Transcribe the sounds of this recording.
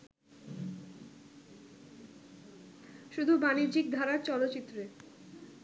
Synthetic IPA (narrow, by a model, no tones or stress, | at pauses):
ʃud̪ʱubaniɾd͡ʑikd̪ʱaɾaɾt͡ɕɔlotːt͡ɕit̪ːɾe